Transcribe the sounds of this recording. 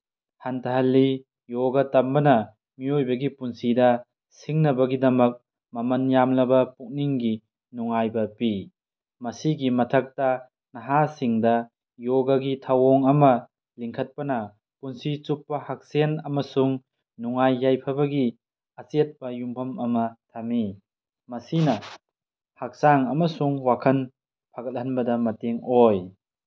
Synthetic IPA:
hantʰɐɦɐlːi | joɡɐtɐmbɐnɐ | miojbɐɡipunsidɐ | siŋnɐbɐɡidɐmɐk̚ | mɐmɐnjamlɐbɐpuk̚niŋɡi | nuŋajbɐpi | mɐsiɡimɐtʰɐk̚tɐ | nɐɦasiŋdɐ | joɡɐɡitʰɐwoŋɐmɐ | liŋkʰɐt̚pɐnɐ | kunsit͡ʃupːɐhak̚senɐmɐsuŋ | nuŋajːajpʰɐbɐɡi | ɐset̚pɐjumbʰɐmɐmɐtʰami | mɐsinɐ | hak̚saŋɐmɐsuŋwakʰɐn | pʰaɡɐt̚hɐnbɐdɐmɐteŋoj

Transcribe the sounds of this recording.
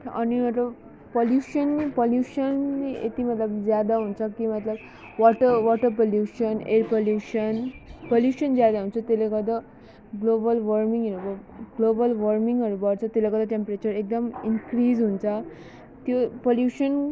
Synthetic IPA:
a̰nimət̪ləb | poljuɕənipoljuɕəniḛt̪imət̪ləbd͡zjad̪aɦunt͡sakimət̪ləb | ʋɔʈəʋɔʈəɾpoljuɕənḛɾpoljuɕənpoljuɕənd͡zjad̪aɦunt͡sat̪elekəd̪a | ɡlobəlʋəɾmiŋɡeɾbəɡlobəlʋəɾmiŋɡəɾbəɽt͡sat̪elekəd̪aʈempɾet͡ɕəɾek̚d̪əminkɾiːd͡zɦunt͡sa | t̪jopoljuɕən

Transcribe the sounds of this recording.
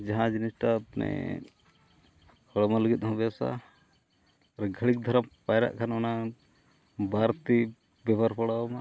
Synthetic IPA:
d͡ʒaɦãd͡ʒinisʈapnɛ̰ | hʰɔɽɔmaləɡit̪̚ɦɔ̃bɛasa̰ | ɾɡʱəɭik̚d̪ʱəɾəmpajɾa̰ʔkʰanɔna | baɾt̪i | bɛbaɾpʰəɽawma

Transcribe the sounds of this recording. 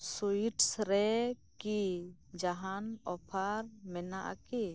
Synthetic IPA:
suiʈsɾɛkid͡ʒaɦanɔpʰaɾmɛnaʔa̰ki

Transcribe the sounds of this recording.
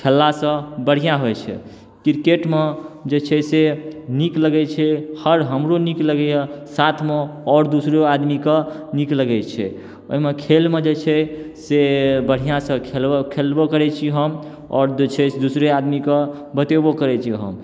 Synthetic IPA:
kʰelːasə̃bəɽ̤ijãɦojt͡ʃʰɛ̰ | kiɾkeʈmed͡ʒet͡ʃʰɛsenikləɡɛt͡ʃʰɛhəɾɦəmɾonikləɡɛjəsat̪ʰmeɔɾd̪usɾoad̪mikə | nikləɡɛt͡ʃʰɛ̰ | o̰ɦimekʰelmed͡ʒet͡ʃʰɛ | sebəɽ̤ijãsə̃kʰelkʰelbokəɾɛt͡ʃʰiɦəm | ɔ̰ːɾet͡ʃʰɛd̪usɾead̪mikə | bət̪ebokəɾɛt͡ʃʰiɦə̰m

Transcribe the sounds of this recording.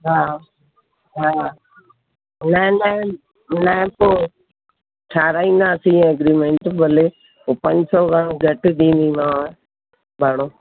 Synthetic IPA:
ɦaː | ɦaː | nãnã | naẽpo | ʈʰaːɾaːĩːnd̪aːsĩːəɡɾiːmẽːɳʈbʱəle | oːpə̃ɲd͡ʒsɔːɡãɡʱəʈɗ̪ĩːnd̪ĩːnaː | bʱaɽoː

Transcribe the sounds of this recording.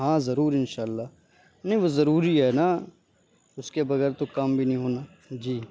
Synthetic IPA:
ɦãːzɐɾuːɾɪnʃaːlːaː | nɐɦĩʋozɐɾuːɾiɦɛːna | ʊskebɐɡɛɾt̪okɐmbʱinɐɦĩɦoːnaː | d͡ʒiː

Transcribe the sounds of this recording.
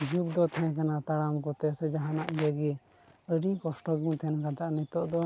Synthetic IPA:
d͡ʒuk̚d̪ɔt̪ʰɛ̃kanat̪aɽamkɔt̪ɛsɛd͡ʒaɦanaʔijaɡi | əɾikɔsʈɔɡũt̪ʰɛnkad̪aʔnit̪ɔʔd̪ɔ

